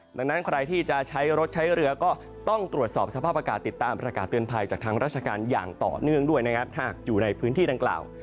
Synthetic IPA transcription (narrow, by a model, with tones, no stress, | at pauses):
da˧ŋna˦˥nkʰɾa˧jt̪ʰiː˥˩t͡ɕa˨˩t͡ɕʰa˦˥jɾo˦˥t̪̚t͡ɕʰa˦˥jɾɯ˧ɐkɔː˥˩ | t̪ɔ˥˩ŋt̪ɾu˨˩ət̪̚sɔː˨˩p̚sa˧pʰaː˥˩p̚a˧kaː˨˩t̪ːi˨˩t̪ːaː˧mpɾa˧kaː˨˩t̪ːɯ˧ənpʰa˧jt͡ɕaː˨˩k̚t̪ʰa˦˥ŋɾaː˥˩t͡ɕʰa˧kaː˧nja̰ː˨˩ŋt̪ɔ̰ː˨˩nɯ˥˩əŋdu˥˩əjna˦˥kʰa˦˥p̚hʰa˥˩k̚juː˨˩na˧jpʰɯː˦˥nt̪iː˥˩da˧ŋkla̰ː˨˩w